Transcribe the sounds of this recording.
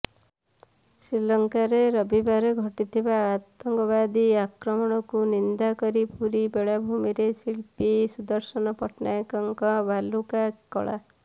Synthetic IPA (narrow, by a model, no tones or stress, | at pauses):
sɾilɔŋkaɾeɾɔbibaɾeɡʱɔʈit̪ʰibaːt̪ɔŋɡɔbad̪iakɾɔmɔɽ̃ɔkunind̪akɔɾipuɾibeɭabʱumiɾesiɭpisud̪ɔɾsɔnɔpɔʈnajkɔŋkɔbalukakɔ̰ɭa̰